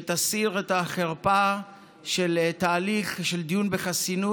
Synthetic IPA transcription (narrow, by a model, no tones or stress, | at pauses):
t̪asiʁet̪aχeʁpa | ʃelt̪aːliχʃeld̪ijunbeχasinu